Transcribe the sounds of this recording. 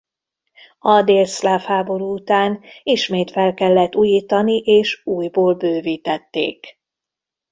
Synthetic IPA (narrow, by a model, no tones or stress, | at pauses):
ɒd̪eːlslaːfhaːbo̞ɾuːut̪aːniʃmeːt̪fɛlkɛlːɛt̪ːuːjiːt̪ɒniʔeːʃuːjboːlbøːviːt̪ɛt̪ːḛːk